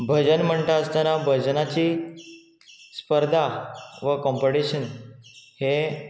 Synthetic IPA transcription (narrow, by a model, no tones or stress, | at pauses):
bʱəd͡ʑənm̤əɳʈ̪aəst̪anabʱəd͡ʑnat͡ɕiː | spəɾd̪ʱaʋəkɔ̃mpoɽiɕənhe